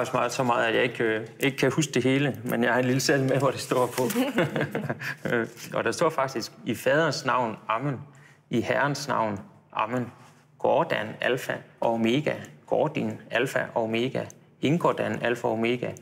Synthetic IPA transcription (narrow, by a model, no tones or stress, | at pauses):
smɑ̈ːð̩ˠsɒ̽mɑ̈ːð̞̩ˠæ̥jɑ̈e̝ɡ̥e̝ɡ̥kʰæhus̬ɡ̥̚d̥e̝ɦe̝ːləmʔenjɑ̈æɐe̝nliləsel̰meʋɒɾ̥e̝sd̥ɔ̰ɐ̰pʰɒ̽ | ɒ̽d̥ɑ̈sd̥ɒ̰ːfɑ̈ɡ̥d̥isɡ̥ifɛːð̞ˠɐnsnɑ̈ʊ̰nɑ̈mən | ihæɐnsnɑ̈ʊ̰n | ʔɑ̈mən | ɡ̥ɒːd̥ænælfæʔɒ̽me̝ɡ̥æɡ̥ɒːd̥inælfæʔɒ̽me̝ɡ̥æ | e̝ŋɡ̥ɒd̥ænælfɒme̝ɡ̥æ